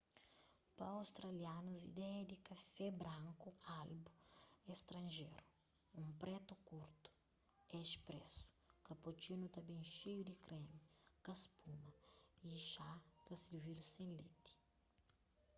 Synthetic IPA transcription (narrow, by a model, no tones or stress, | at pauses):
pɐawst̪ɾɐljanuzḭd̪ɛɐd̪ikɐfɛbɾãŋkualbuest̪ɾɐ̃nʒeɾu | ũmpɾɛt̪ukuɾt̪u̥ | ɛʃpɾɛsu̥kɐpot͡ʃinut̪ɐbẽj̃ʃejud̪ikɾɛmikɐspumɐiʃat̪ɐsiɾvilusẽlet̪i̥